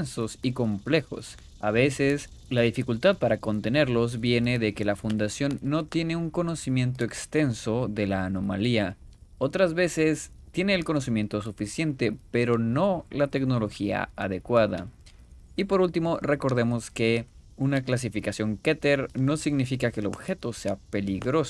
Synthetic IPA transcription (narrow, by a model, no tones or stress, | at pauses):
nso̞siko̞mple̞xo̞̰s | aβe̞se̞s | laðifikult̪aðpaɾako̞nt̪e̞ne̞ɾlo̞zβje̞ne̞ðe̞ke̞lafund̪asjo̞nːo̞t̪je̞ne̞uŋko̞no̞simjẽ̞nt̪̬o̞e̞kst̪e̞nso̞ðe̞laːno̞ma̰lia | o̞t̪ɾazβe̞se̞s | t̪je̞ne̞ːlko̞no̞s̬imje̞nt̪o̞s̬ufisje̞nt̪e̞pe̞ɾo̞no̞lat̪e̞kno̞lo̞xia̰aðe̞kwaða̰ | ipo̞ɾult̪imo̞re̞ko̞ɾðe̞mo̞ske̞ | unaklas̬ifikasjo̞ŋket̪eɾno̞siɣnifikake̞ːlo̞βxe̞t̪o̞se̞ape̞liɣɾo̞s